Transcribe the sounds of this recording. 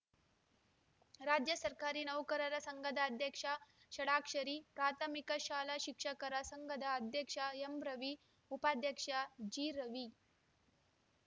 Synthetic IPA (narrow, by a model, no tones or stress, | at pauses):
ɾad͡ʑjəsɐɾkaɾiːnɐʋkəɾəɾɐsəŋɡəd̪ʱaːd̪ʱjəkʂa | ɕɐɽakʂəɾiːpɾat̪ʰəmikəɕaːlaɕikʂəkəɾasəŋɡəd̪ʱaːd̪ʱjəkʂaembɾɐʋi | upad̪ʱjəkʂad͡ʑiɾəʋi